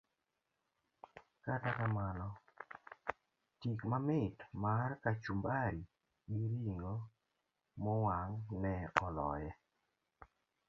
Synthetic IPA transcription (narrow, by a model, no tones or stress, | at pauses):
katakamanɔ | tikmamɪtmarkat͡ʃumbaɾi | ɡiɾiŋo | mɔwaŋnɛɔlɔ̰jɛ